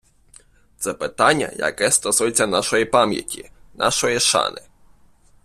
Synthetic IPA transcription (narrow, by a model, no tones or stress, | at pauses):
t̪sɛpɪt̪anʲːɐ̰jɐ̰kɛst̪ɔsujet͡sʲːɐnaʃɔjipamʲjɐ̰tʲinʔɑ̰ʃɔjiʃɑ̰nɪ